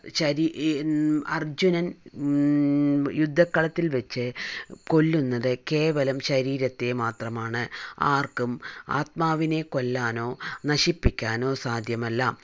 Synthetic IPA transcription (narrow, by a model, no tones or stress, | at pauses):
ɕɐɾ | ɐ̰rd͡ʑunɐn | jud̪ʱːɐkːɐɭɐt̪ːilʋɐt͡ɕːɨko̞lːunːɐðɨke̞ːʋɐlɐmɕɐɾiːɾɐt̪ːemaːt̪rɐmaːɳɨaːrkuma̰ːt̪maːʋine̞ko̞lːaːno̞ːnɐɕipːikʲːaːno̞ːsaːd̪ʱjɐmɐlːam